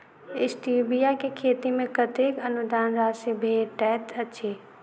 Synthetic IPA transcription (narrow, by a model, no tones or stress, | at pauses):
ɪsʈiːbijakekʰeːt̪imẽkət̪eːkənʊd̪aːnɾaːsebʱeːʈɛːt̪əʃʰeː